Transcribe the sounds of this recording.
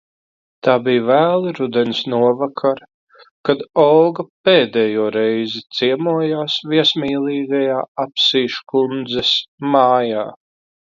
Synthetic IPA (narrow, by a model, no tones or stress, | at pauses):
t̪aːbijvæːlˠɨɾud̪ɛnsnuɔvakʰaɾ | kad̪ɔwɡapeːd̪ɛjuɔːɾɛjzit̪sʲiɛmuɔjaːsviɛsmʲiːlˠiːɡajaːapsiːʃkund̪zɛsmaːjaː